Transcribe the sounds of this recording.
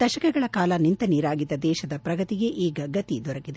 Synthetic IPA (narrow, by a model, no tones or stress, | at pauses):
d̪̥ɐʃɐkɛɡɐɭɐkaːlɐnint̪ɐniːɾaːɡid̪ːɐd̪ɛːʃɐd̪ɐpɾɐɡɐt̪iɡe̞ʔiːɡɐɡɐt̪id̪ɔɾɐkid̪e